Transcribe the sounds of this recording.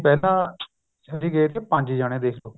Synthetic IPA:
pɛːlãː | t͡ʃədiːɡeet̪eːpə̃ɲʲd͡ʒiːd͡ʒaːɽ̃ẽːd̪eːkʰloː

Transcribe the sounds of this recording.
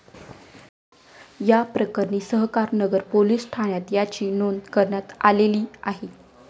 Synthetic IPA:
japɾəkəɾɳiːsəɦkaɾnəɡəɾpoliːsʈʰaɳjat̪jat͡ɕiːnonkəɾɳjat̪a̰leliːaɦe

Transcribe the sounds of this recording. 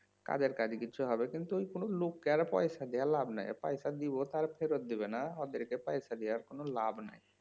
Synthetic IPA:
ka̰d͡ʑeɾkad͡ʑikiːt͡ɕʰuɦɔbekint̪uojkonolokːeaɾpɔjʃad̪ialabna̰jpajʃad̪ibot̪aɾfʰeɾot̪̚d̪ibenaɔd̪eɾkepajʃad̪ijaɾkonolabna̰j

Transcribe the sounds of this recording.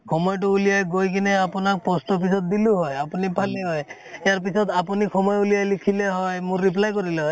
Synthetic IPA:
kʰɔmɔjʈʊulijajɡojk̬inɛapunak̚pɔstɔp̬isɔt̪̚d̪iluɦɔjapunipʰaliɦɔj | jaɹp̬isɔt̪apunixʰɔmɔjulijajlikʰileɦɔjmʊ̃ːip̬lajkɔɾilɛɦɔj

